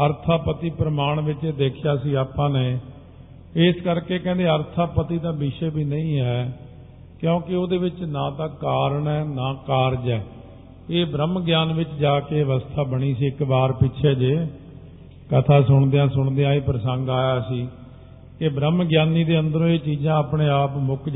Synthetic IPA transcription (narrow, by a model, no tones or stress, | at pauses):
əɾt̪ʰaːpət̪iːpɾəmaːɳʋɪt͡ʃeːd̪eːkʰɪjaːsiːaːpãːneː | ɪskəɾkeːkɛ̃ːnd̪eːəɾt̪ʰaːpət̪iːd̪ãːbɪʃɛːbʱiːnəĩːɦɛː | kjõːkɪoːd̪eːʋɪt͡ʃnãːt̪ãːkaːɾəɳɛːnaːkaːɾd͡ʒɛː | eːbɾəmɡjaːnʋɪt͡ʃd͡ʒaːkeːʋəst̪ʰaːbəɽ̃iːsiːɪkbaːɾpɪʃʰɛːd͡ʒeː | kət̪ʰaːsʊɳd̪ejãːsʊɳd̪ejãːeːpɾəsəŋɡaːjaːsiː | kebɾəmɡjaːniːd̪eːənd̪əɾõːeːt͡ʃiːd͡ʒãːaːpɳeːaːpmʊk